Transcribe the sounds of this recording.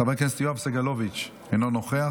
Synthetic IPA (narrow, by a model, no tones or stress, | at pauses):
abekenst̪ijoafseɡalovit͡ʃ | enonoχea